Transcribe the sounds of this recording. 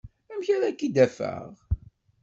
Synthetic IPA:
æmçaɾækːid̪æfæ̰ʁ

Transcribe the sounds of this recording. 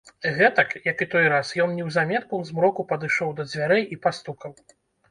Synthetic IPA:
ɣɛt̪ɐkjɐkit̪ɔjɾasjɔnnʲɛwzamʲɛt̪̚kuzmɾɔkupɐd̪ɨʂɔwd̪ɐd͡zʲvʲaɾɛjipast̪ukɐw

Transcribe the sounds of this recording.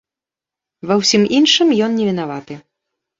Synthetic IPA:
vɐwsʲiminʂɨmjɔnnʲɛvʲin̪avat̪ɨ

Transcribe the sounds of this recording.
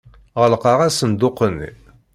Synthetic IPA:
ʁəlqɑʁasənd̪ʊqːənːḭ

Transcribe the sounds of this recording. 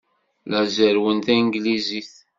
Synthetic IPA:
læzəɾwənt̪æŋɡliziθ

